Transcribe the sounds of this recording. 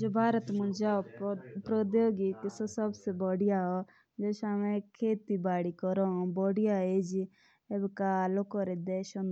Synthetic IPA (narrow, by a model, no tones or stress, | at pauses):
d͡ʒoːbʱaːɾət̪mũd͡ʒapɾɔd̪joːɡik̪isosɐbsebɔɽijaɦɔ | d͡ʒoʃamẽkʰeːt̪ibaːɽikɔɾõbɔɽijaed͡ʒi | ebkalokɔɾed̪eːʃɔn